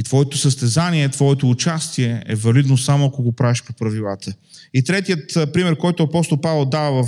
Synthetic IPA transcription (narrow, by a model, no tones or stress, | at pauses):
it̪vɔɛt̪osəst̪ɛzaniɛt̪vɔɛt̪oːt͡ʃast̪iɛɛ̰vɐlid̪nosamoɐkoɡopɾaviʃpopɾɐvilˠat̪ʰəit̪ɾɛt̪iət̪pɾimɛɾkɔjt̪ʊɐpɔst̪olˠpavɛlˠd̪avɐvɐf